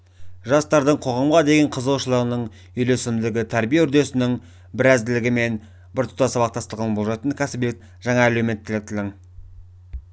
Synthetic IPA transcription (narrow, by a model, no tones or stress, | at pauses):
ʒɑst̪ɑɾd̪əɴqʰo̞ʁɑmʁɑd̪e̞ɡʲeɴqʰəzəlˠʃəlˠɑɾənəɴ | ʏjlesɪmd̪ɪɡʲɪt̪ʰæɾbijeʏɾd̪e̞sɪnɪŋ | bɪɾæzd̪ɪlɪɡʲɪme̞n | bɪɾt̪ʰʊ̥pt̪ɑsɑβɑqt̪ʰɑst̪ˠʁɑnbo̞lˠʒɑt̪ənkʲʰæsɪbj̪et̪ | ʒɑɴɑːleme̞nt̪ːɪlɪk̚t̪ʰɪlɪŋ